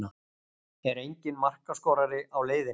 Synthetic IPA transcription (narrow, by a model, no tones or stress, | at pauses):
a | ɛɾejɲcɪnmar̥kaskɔːwɾaɾɪʔawleːjðɪ